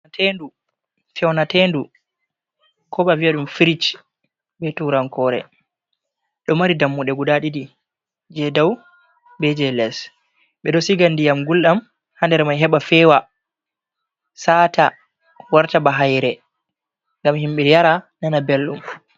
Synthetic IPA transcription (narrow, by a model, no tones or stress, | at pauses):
tendu | fɛwnatendu | kʰɔɓaviaɗumfiɾit͡ʃ | ɓɛtuɾaŋkɔɾɛ̰ | ɗɔmaɾidamːuɗɛɡudaɗidi | d͡ʒɛdaw | bɛd͡ʒɛlɛs | ɓɛɗɔsiɡandijamɡulɗam | handɛɾmajɦɛɓafɛwa | saːta | waɾtabaɦajɾɛ | ŋɡamhimɓɛjaɾananabelɗum